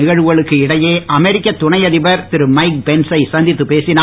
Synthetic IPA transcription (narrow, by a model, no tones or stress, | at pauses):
ɪɣɐɻɯɣɐɭɯkːɯɪɽɐjeːʔɐmɛɾɪkːɐt̪ːʊɳɐjɐðɪbɐɾt̪ɪɾɯmɐɪk̚bɛnsɐɪsɐnd̪ɪt̪ːɯpeːsɪnaː